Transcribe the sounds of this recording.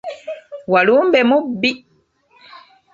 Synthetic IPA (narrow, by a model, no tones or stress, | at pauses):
walumbɛmubi